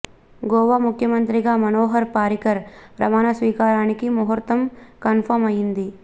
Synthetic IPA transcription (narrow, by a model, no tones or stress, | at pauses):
ɡoːʋamukʰjɐmɐnt̪ɾiɡamɐnoːɦɐɾpaːɾikɐɾpɾɐmaːnɐsʋiːkaːɾaːnikimuɦɐɾt̪ɐmkɐnfʰɐɾmɐjind̪i